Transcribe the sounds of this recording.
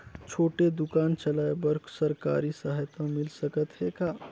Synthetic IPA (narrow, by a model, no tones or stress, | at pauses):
t͡ʃʰoːʈed̪ukaːnt͡ʃəlaebəɾksəɾka̰ɾisəɦəjt̪amilsəkət̪ɦeka